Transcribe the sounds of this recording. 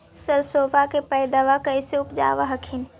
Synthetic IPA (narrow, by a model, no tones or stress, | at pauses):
səɾsoːbakepɛɪd̪aʋakəɪseʊpd͡ʒa̰ːʋaɦəkʰɪn